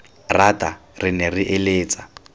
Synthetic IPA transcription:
ratʼarɪnɛriʔeleːt͡sʼa

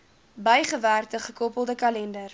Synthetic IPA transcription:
bəjχəværtəχəkɔpəlˠdəkɐlɛndər

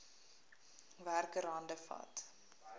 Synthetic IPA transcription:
værkəɾɐndəfɐ̰t

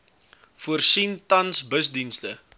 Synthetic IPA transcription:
fuərsintɐnsbəsdinstə

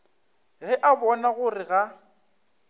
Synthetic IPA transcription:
ɣɛʔabɔnaɣʊrɪɣa

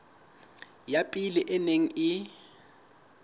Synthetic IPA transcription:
japʼiliʔɛneŋ̩ɪ

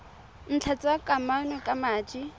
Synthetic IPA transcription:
n̩t͡ɬʰat͡sʼakʼamanɔkʼamaːt͡ʃʼi

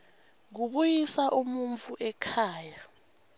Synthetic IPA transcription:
ŋuɓujisaʔumuɱvuʔɛkʰaːja

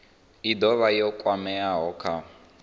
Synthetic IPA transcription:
id̪ɔβajɔkʼwamɛaɦɔkʰa

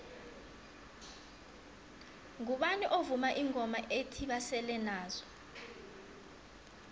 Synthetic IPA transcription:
ŋuɓaniʔovumaʔiŋʱɔmaʔetʰiɓasɛlɛnaːzɔ

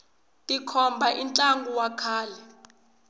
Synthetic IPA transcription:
tʼikʰɔmbʱaʔint͡ɬʼaŋɡuwakʰaːlɛ

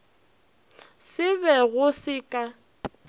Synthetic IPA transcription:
sɪβɛɣʊsɪkʼa

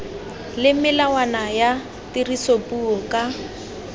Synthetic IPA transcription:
lɪmɪlawanaja | tirisopʼuɔkʼa

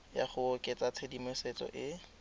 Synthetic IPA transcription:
ja̰χʊokʼet͡sat͡sʰedimɪsɛt͡sɔ̰ʔɪ

